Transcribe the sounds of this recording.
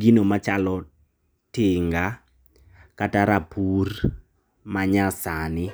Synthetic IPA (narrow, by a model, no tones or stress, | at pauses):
ɡinomat͡ʃalɔ | tɪŋɡa | kataɾapur | maɲasanɪ